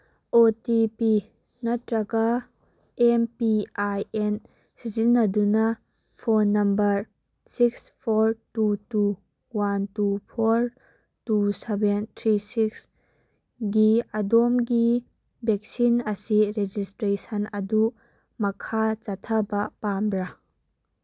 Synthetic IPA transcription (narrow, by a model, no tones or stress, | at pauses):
ʔotipi | natɾɐka | ʔɛmpiajɛn | sizinːɐd̪una | pʰɔnːɐmbɐɾ | sikspʰɔɾtutu | wantupʰɔɾ | tusɛbent̪ʰɾisiks | ɡiɐdɔmɡi | bɛk̚sinɐsiɾed͡ʒistɾesɐnɐduʔ | mɐkʰat͡ʃat̪ʰɐbɐpamɾa